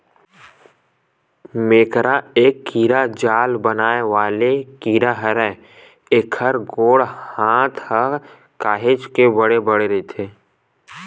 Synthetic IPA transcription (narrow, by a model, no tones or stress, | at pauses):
meːkɾaeːkːiːɾad͡ʒaːlbənaːeʋaːlekiːɾaɦəɾɛ | eːkʰəɾɡoːɽhãːt̪ʰhə | kaːɦed͡ʒkebəɽebəɽeɾit̪ʰeː